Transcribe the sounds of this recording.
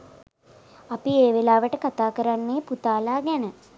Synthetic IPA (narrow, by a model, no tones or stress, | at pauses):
apieːʋelaːʋəʈəkat̪aːkəɾanːeːput̪aːlaːɡænə